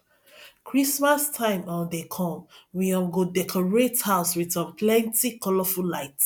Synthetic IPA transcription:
kʰɹismastʰãɪ̃mɔ̃ndekʰɔ̃mwiɔ̃nɡodɛkʰɔɹethaʊswitɔ̃npʰlɛ̃ntikɔlɔfulaɪt

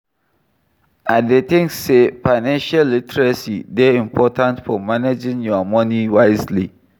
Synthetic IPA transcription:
adet̪ɪ̃ŋksːefaɪnãnʃalːitɹasidɛĩmpʰɔtʰãntfɔmaned͡ʒɪ̃ŋjɔmɔ̃niwaɪzli

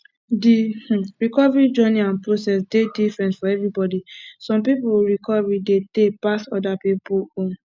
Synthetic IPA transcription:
dih̩ɹikɔvɹid͡ʒɔniãnpɹosɛs̬dedifɹɛ̃ntfɔɛvɹibɔdisɔ̃mpipoɹikɔvɹidetepastɔdapipoõn

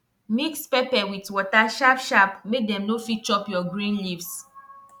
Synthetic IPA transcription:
mikspepɛwitwɔtaʃapʃapmek̚dɛ̃mnofit͡ʃɔpjɔɡɾĩnlivs

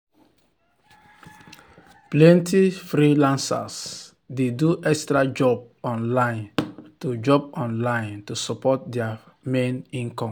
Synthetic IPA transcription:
plɛ̃ntʰifɾilãnsa̰s | deduʔɛkstɹad͡ʒɔb̚ | ɔ̃nlãɪ̃ntud͡ʒɔbɔ̃nlãj̃ntusɔpɔt̚dɛa | mẽnĩnkɔ̃m

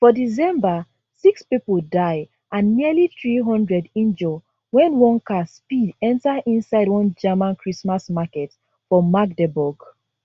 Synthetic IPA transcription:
fɔdisɛ̃mba | sikspipldaɪ | ʔãnːiəliθɹiɦɔ̃ndɹɛdĩnd͡ʒɔ | wɛ̃nwɔ̃nkaspidɛ̃ntaʔĩnsaɪdwɔ̃nd͡ʒɛmãnkʰɹismasmakɛt | fɹɔ̃ːak̚dɛbɔɡ

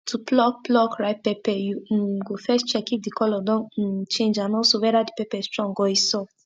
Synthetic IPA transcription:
tʰuplɔk̚plɔkɹaɪt̚pɛpɛjuɡofɛst͡ʃɛkifdikʰɔlɔdɔ̃n̩t͡ʃẽnd͡ʒãnɔsowɛdadipɛpɛstɹɔ̃ŋɡɔisɔ

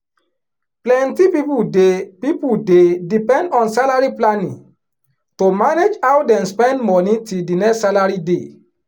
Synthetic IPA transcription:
plɛ̃ntipipudepipudedipɛ̃ndɔ̃nsalaɹiplanḭ̃ŋ | tomaned͡ʒawdɛ̃nspɛ̃ndmɔnĩtildinɛsalaɹide

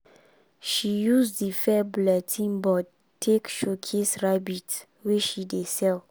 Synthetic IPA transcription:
ʃijusdifɛblɛtʰĩŋbɔ | tʰːekʃokʰesɹabit | weʃidesɛl

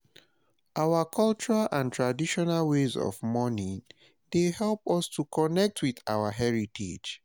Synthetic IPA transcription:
ʔawakʰɔlt͡ʃuɹalʔãntɹadiʃɔnalwezɔ̰vmɔni | dehɛlpɔstukɔnɛk̚tʰwiθawaɦɛɹitʰḛd͡ʒ

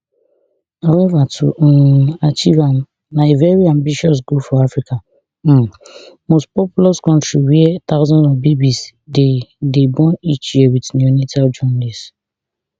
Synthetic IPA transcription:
haʊwɛvatʰṵat͡ʃivãm | naevɛɹiãmbiʃɔs̬ɡupfɔafɹika | mospɔpulɔskɔ̃ntɹiwiɛtaʊzɔ̃ndɔfbebisdedebɔ̃nit͡ʃjiɛwitnɔnitʰald͡ʒɔnlis

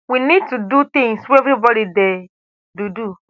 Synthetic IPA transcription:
winid̚tudut̪ĩŋsweɛvɾibɔɾidɛ | dudu

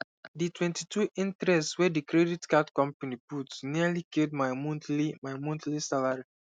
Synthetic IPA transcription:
ditwɛ̃ntitʰuʔĩntɾɛstswɛdikɾɛditkatkɔ̃mpaniputsnialiked̚maɪmɔ̃ntlimajmɔ̃ntlisalaɹi

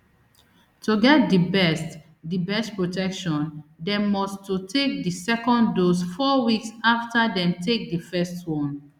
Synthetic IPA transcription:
tʰuɡɛt̚dibɛst | dibɛstpɹotʰɛkʃɔ̃ndɛ̃mɔstutʰek̚disɛkɔ̃ndosfɔwiksaftadɛ̃mtʰek̚difɛstwɔ̃n

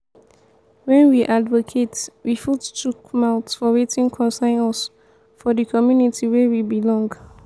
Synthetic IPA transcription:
wɛ̃nwiʔadvokʰetwifuttʰukmaʊtsfɔwetʰĩnkʰɔ̃nsãɪ̃nɔs | fɔdəkʰɔmjunitʰiwɛwibilɔ̃ŋɡ

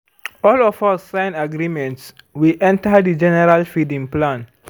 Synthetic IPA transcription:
ɔlɔfasːãnaɡɾimɛ̃ntswiʔɛ̃ntədid͡ʒɛnɛɹalfidĩŋplãn

